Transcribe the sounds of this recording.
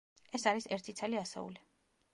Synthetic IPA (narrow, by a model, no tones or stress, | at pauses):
ɛsaɾisɛɾt̪ʰit̪sʰaliasɛ̰ṵli